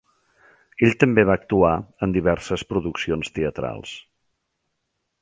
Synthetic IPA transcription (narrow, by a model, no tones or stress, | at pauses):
eʎt̪əmbeβ̞aək̚t̪uaənd̪iβ̞ɛɾsəspɾuðuksionst̪eət̪ɾa̰lˠs